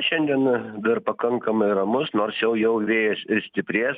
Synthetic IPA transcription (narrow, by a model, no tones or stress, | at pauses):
ʃʲɛnʲd̪ʲiɛnd̪ɐrpɐkɐŋkɐmɐɪrɐmʊsnoːrsjɛʊjɛʊʋʲeːjɛsɪɾsʲt̪ʲɪpʲɾʲeːs